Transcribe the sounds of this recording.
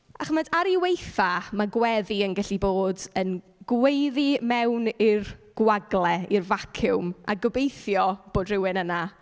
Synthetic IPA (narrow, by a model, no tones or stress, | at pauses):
aχəmədaɾiwejθamaɡwɛðiənɡɛɬiboːdən | ɡ̥wejðimɛwnɪrɡ̥waɡlˠɛirvakʰʊwma̰ɡəbejθjɔb̥oːdrɪwɪnəna